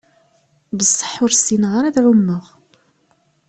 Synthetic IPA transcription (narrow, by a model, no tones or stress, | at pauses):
bəsˤːə̥ħːʊɾsinʁəɾæðʕʊmːəʁ